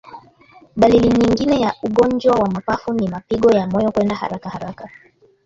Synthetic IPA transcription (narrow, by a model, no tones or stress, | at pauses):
ɓaliliɲiŋɡinɛjaʔuɠɔnd͡ʒwawamapafunimapiɠɔjamɔjɔkwɛndaha̰ɾakahaɾaka